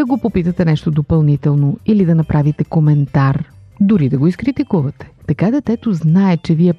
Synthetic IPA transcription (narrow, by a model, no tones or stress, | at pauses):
ɐɡopopit̪ət̪ɛnɛʃt̪od̪opɐlˠnit̪ɛlˠnoilid̪ɐnɐpɾʔavit̪ɛkomɛnt̪aɾ | d̪ʊɾid̪ɐɡoiskɾit̪ikuvɐt̪ɛ̥t̪ɐkad̪ɐt̪ɛt̪oznaɛt͡ʃɛviɛ